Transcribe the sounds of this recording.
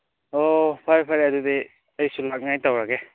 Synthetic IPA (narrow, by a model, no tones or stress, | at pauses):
opʰaɾpʰaɾiadude | əjsulak̚najtawɾaɡe